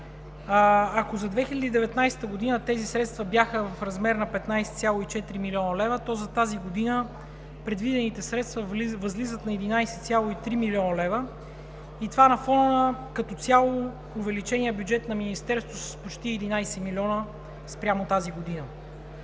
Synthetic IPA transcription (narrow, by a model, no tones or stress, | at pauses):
ɐkozɐd̪vɛxilʲəd̪iːd̪ɛvɛt̪najsɛ̥t̪əɡod̪inət̪ɛzisɾɛt̪st̪vɐbjaxəvɐfɾɐzmɛɾnɐpɛt̪najsɛ̥t̪sʲjalˠoit͡ʃɛt̪ɾimilʲiɔnəlɛvət̪ɔzɐt̪aziɡod̪inə | pɾɛd̪vid̪ɛnit̪ɛsɾɛt̪st̪vəvɐzlizət̪nɐɛd̪inajsɛt̪sʲjalˠoit̪ɾimilʲiɔnəlɛvə | it̪vanɐfɔnəkɐt̪ɔt̪sʲjalˠo | ʊvɛlit͡ʃɛniəbjud͡ʒɛt̪nɐminist̪ɛɾst̪vosə̥spot͡ʃt̪iɛd̪inajsɛmilʲiɔnə | spɾʲjamot̪aziɡod̪inə